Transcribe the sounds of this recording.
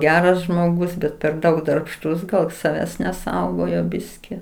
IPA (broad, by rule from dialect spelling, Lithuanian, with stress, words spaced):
ˈɡʲæːrɐs ʒmoːˈɡʊs ˈbʲɛt pʲɛr ˈdɐʊk dɐrpˈʃtʊs ˈɡɐlˠ sɐˈʋʲæːs nʲɛˈsɐʊɡoːjoː ˈbʲɪsʲkʲɪ